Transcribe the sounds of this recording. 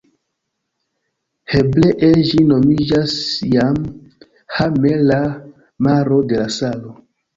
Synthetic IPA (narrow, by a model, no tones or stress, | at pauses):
hebleʔeʒino̞mid͡ʒasjam | hamela | maɾo̞de̞lasalo